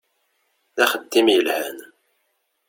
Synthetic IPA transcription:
ðæχəd̪ːimjəlhæn

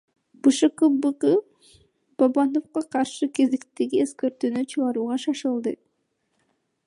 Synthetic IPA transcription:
b̥ɯʃɯqɯbɯqɯ | b̥abɑnofqɑqʰɑɾʃɯke̞zekt̪eɡieskøɾt̪yːnyt͡ʃʰɯʁɑɾuːʁɑʃɑʃɯlˠd̪ɯ

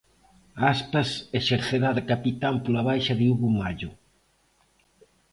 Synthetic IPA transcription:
aspɐseʃeɾθeðaðkapit̪ampolaβajʃɐðɪuβuŋaʎʊ

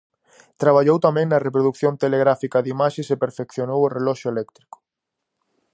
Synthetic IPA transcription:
t̪ɾaβ̞aʎowt̪amɛ̃ŋnɐrepɾoðukθjont̪eleɣɾafikɐðimaʃesepeɾfekθjonoworelɔʃʊelɛk̚t̪ɾi̥kʊ̥

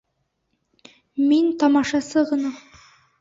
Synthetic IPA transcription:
mint̪ɑmɑʃɑsɤʁɤ̆nɑ

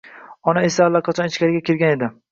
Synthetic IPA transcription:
ɒnae̞saːlːaqʰɑt͡ʃʰɒnɪt͡ʃkʲaɾɪɡʲakʲʰeɾɡʲane̞d̪ɪ

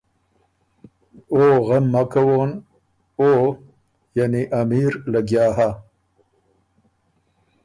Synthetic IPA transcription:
oɣamːakawon | oː | janiʔamiːɾlaɡjɑːɦa

